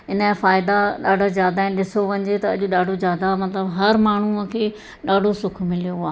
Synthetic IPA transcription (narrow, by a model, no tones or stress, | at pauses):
ɪnəfaːɪd̪aɗaːɖʱazjaːd̪aːɦɪ̃nɪ̆ɗɪsoʋɐ̃ɲd͡ʑet̪ɐɐʄʊɗaːɖʱozjaːd̪amɐt̪ləbɦɐɾmaːɳ̤uəkʰeː | ɗaːɖʱosʊkʰmɪlijoɦʊaː